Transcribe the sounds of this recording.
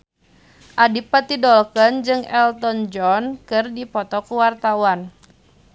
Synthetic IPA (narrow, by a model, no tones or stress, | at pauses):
ʔadipat̪idɔlkənd͡ʒɨŋɛlt̪ɔnd͡ʒɔnkɨrdipɔt̪ɔkuwart̪awan